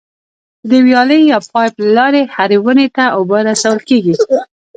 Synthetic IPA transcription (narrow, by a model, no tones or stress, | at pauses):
d̪əwjɑləjːɑpɑjplalɑɾehaɾiwənet̪aʊbəɾasawəlkeɡi